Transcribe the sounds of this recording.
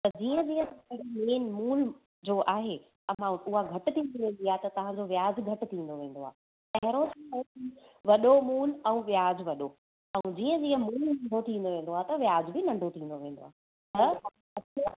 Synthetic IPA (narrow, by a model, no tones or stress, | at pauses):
t̪ɐd͡ʑiːə̃d͡ʑiːə̃tpɽimeːnmuːn | d͡ʑoːʔaːɦe | ɐmãʊɦaɡʱɐʈɪt̪ʰĩd̪inẽːnd̪iaɦet̪ɐt̪ɐʋ̤ãd͡ʑoʋjaːd͡ʑɡʱɐʈɪ̆t̪ʰĩːn̆d̪oʋẽːn̆d̪oaːɦe | pɐɦɪɾot̪ɐiʋɐɗomuːnɛ̃ũʋjaːd͡ʑʋɐɗo | ɛ̃d͡ʑiːə̃d͡ʑiːə̃muːnnɐ̃ɳɖʱot̪ʰĩːn̆d̪oʋẽːn̆d̪oaːɦet̪ɐʋjaːd͡ʑbɪnɐ̃ɳɖʱot̪ʰĩːnd̪oʋẽːnd̪o̰aːɦ | t̪ɐɐ | ɐt